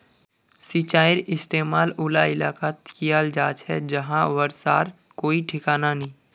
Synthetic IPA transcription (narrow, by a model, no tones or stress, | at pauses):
sit͡ʃaːɪɾɪst̪eːmaːlʊlaɪlaːkat̪kijaːld͡ʒaːt͡ʃɦɛ̰d͡ʒɐɦãʋəɾsa̰ːɾ | koːiʈʰɪkaːnanĩː